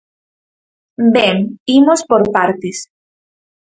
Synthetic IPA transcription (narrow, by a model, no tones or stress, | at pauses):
beŋimospoɾpaɾt̪es